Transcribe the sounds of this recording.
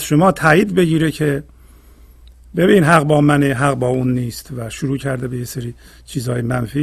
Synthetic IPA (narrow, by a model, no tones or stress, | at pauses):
zʃomɒːt̪ʰæːjiːd̪be̞ɡiːɾecʰe̞ | be̞binːnɦæɣbɒːmæneɦæɣbɒːuːnːiːst̪væʃoɾuːcʰæɾd̪ebejeseɾiː | t͡ʃʰiːzhɒːjemænfiː